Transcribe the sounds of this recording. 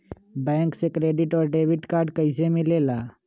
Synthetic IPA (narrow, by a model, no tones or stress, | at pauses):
bɛ̃ːŋksekɾeːɖɪʈɔːɾɖeːwɪʈkaːɾɖkəɪs̬emɪ̃leːlaː